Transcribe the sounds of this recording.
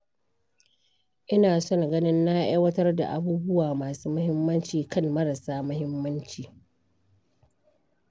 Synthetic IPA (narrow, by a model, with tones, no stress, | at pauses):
ʔɪ˦naː˨sɔ˦ŋ˨ɡɐ˦nɪ˦nːa˦ʔa˦jwɐ˦tɐ˦rda̰˨ʔa˦buː˦bʊ˦waː˨maː˨suː˦mʊ˦hɪ˦mːɐ˦nt͡ʃiː˨kɐ˦˨nmɐ˦ɾa˨saː˦mɐ˦hɪ˦mːɐ˦nt͡ʃiː˨